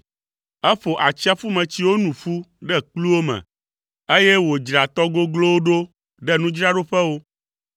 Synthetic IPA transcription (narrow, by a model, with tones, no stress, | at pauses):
ɛ˦ɸo˨ʔa˨t͡ɕi˦a˦fu˦mɛ̃˨t͡ɕi˦wo˦nũ˨fu˦ɖɛ˦k͡plu˦wo˦mɛ̰̃˨ | e˦jɛ˦wo˨d͡ʒɾa˨t̪ɔ˦ɡo˦ɡlo˦wo˦ɖo˦ | ɖɛ˦nũ˦d͡ʒɾa˦ɖo˦ɸɛ˦wo˦